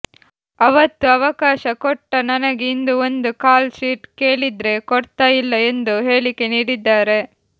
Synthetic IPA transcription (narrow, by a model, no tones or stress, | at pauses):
ɐʋɐt̪ːuɐʋɐkaːʃɐkɔʈːɐnɐnɐɡeind̪uo̞nd̪ukaːlʃiːʈke̞ːɭid̪ɾe̞koɽt̪aːjilːɐe̞nd̪uɦe̞ːɭike̞niːɽid̪ːaːɾe̞